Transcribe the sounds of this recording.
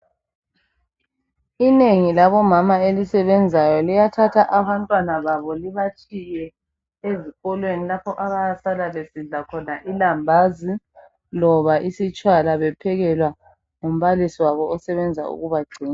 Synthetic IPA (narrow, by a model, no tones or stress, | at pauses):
ineŋilaβɔmamaelisɛβɛnd͡zʱajɔlijatʰatʰaʔaβantʼwanaβaβɔliβat͡ʃʼijɛ | eziɣɔlwenilapʰɔʔaβajasalaβesiɮakʰɔnaʔilambʱazi | lɔβaʔisit͡ʃʼwalaβɛpʰɛɣɛlwa | ŋom̩βalisiwaβɔːsɛβɛnd͡zʱa̰ṵɣuβaɡ͡ǀʱiːŋa